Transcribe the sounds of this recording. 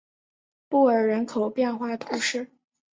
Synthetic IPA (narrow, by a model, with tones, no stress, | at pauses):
pu˥˩ə˞˨˩ɻə˧˥nkʰo˨˩ʊpjɛ˥˧nxwa˥˩t̪ʰu˧˥ʂɻ̩˥˩